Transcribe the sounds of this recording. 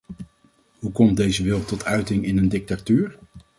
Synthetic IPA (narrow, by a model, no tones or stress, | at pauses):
ɦukɔmt̚dejzəʋɪlˠtɔtʰœɥtɪŋɪnəndɪk̚tatyːɹ